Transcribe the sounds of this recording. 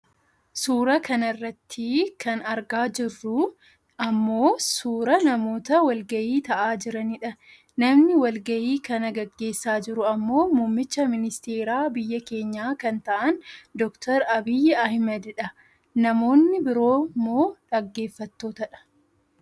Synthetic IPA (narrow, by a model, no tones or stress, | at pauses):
suːɾɐkɐnɐrːɐt̪ʰːɪkʰɐnɐɾɡaːd͡ʒɪrːʊ | ɐmːo̞ːsuːɾɐnɐmo̞ːt̪ɐwɐlɡɐjiːt̪ɐʔaːd͡ʒɪɾɐnɪᶑɐ | nɐmnɪwɐlɡɐjiːkɐnɐɡɐɡːe̞ːsːaːd͡ʒɪɾʊɐmːo̞ːmuːmːɪt͡ʃːɐmɪnɪst̪eːɾaːbɪjːɐke̞ːɲːaːkɐnt̪ɐʔɐnd̪ɔkt̪ʰɐɾɐbɪjːɛɐhmɐd̪ɪᶑɐ | nɐmo̞ːnːɪbɪɾo̞ːmoːᶑɐɡːe̞ːfːɐt̪ːo̞ːt̪ɐᶑɐ̥